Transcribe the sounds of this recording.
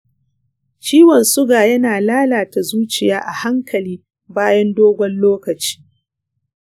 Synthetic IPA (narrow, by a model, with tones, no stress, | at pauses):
t͡ʃiː˦wɔ˨nsʊ˦ɡaː˨jɐ˦naː˨laː˦laː˨ta˨zuː˦t͡ʃɪ˨jaː˦ʔa˨ha˦ŋkʰɐ˨liː˦ | baː˦jɐ˦ndoː˦ɡʷɔ˦nloː˦kɐ˨t͡ʃi̥ː˦